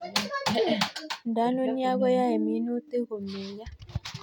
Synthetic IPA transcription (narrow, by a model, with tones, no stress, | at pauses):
da˨˦no˦ni˦a˦ɡɔ˦ja˦e˨mi˨˦no˦te˦ɣo˨me˨ja˦